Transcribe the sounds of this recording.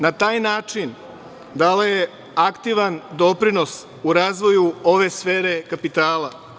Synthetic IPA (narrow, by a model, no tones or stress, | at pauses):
nat̪aːjnaːt͡ʃin | d̪aleje | akt̪iʋand̪o̞pɾino̞s | uɾaːzʋo̞juoʋe̞sfe̞ːɾe̞kapit̪aːla